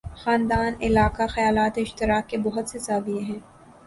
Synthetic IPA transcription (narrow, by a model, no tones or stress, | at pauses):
xaːnd̪aːnɪlaːkaxɐjaːlaːt̪eɪʃt̪ɪɾaːkːebɔɦʊt̪sesaːbieɦɛ̃ː